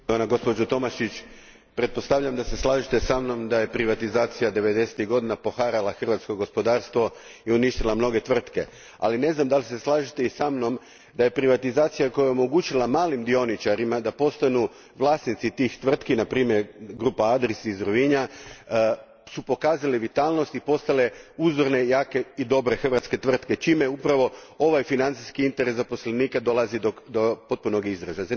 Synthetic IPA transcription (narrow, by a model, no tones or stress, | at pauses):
d̪onaɡo̞spo̞d͡ʒot̪o̞maʃit͡ɕ | pɾe̞t̪̚po̞st̪aʋʎamd̪ase̞slˠaːʒit̪e̞samno̞md̪aje̞pɾiʋat̪izaːt̪sijad̪e̞ʋe̞d̪e̞set̪iɣɡo̞d̪inapo̞xaɾalˠaxr̩ʋat̪skoɡo̞spo̞d̪aːɾst̪ʋo̞ | iuniʃt̪ilˠamno̞ɡe̞t̪ʋr̩t̪ke̞̰ | a̰line̞znamd̪alise̞slˠaːʒit̪e̞isamno̞m | d̪aje̞pɾiʋat̪izaːt̪sijako̞jao̞mo̞ɡut͡ʃilˠamaːlimd̪io̞nit͡ʃaɾimad̪apo̞st̪anu | ʋlˠaːsnit̪sit̪ixt̪ʋr̩t̪kinapɾiːmjeɾɡɾuːpaad̪ɾeseizɾuʋiɲa | supo̞kaːzaleʋit̪aːlˠno̞st̪ipo̞st̪ale̞uzʋoɾne̞jaːke̞id̪o̞bɾe̞xr̩ʋat̪ske̞t̪ʋr̩t̪ke̞t͡ʃimeupɾaʋo̞ | o̞ʋajfinant̪siskiint̪e̞ɾesapo̞sleniːkad̪o̞lˠazid̪od̪opo̞t̪̚puno̞ɡizɾezaz